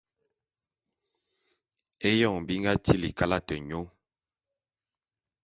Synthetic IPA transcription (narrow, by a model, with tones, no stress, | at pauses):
e˦jɔ˦˨ŋbi˦ŋɡa˦ti˦li˨ka˦la˦tɛ˨ɲo˦